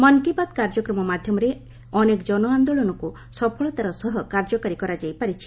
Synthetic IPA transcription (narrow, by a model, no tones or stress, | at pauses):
mɔŋkipad̪kaɾd͡ʒɔkɾɔmɔmad̪ʱjɔmɔɾe | ɔnekd͡ʒɔnɔand̪oɭɔnɔku | sɔpʰɔɭɔt̪aɾɔsɔɦɔkaɾd͡ʒɔkaɾikɔɾad͡ʒajpaɾit͡ʃʰi̥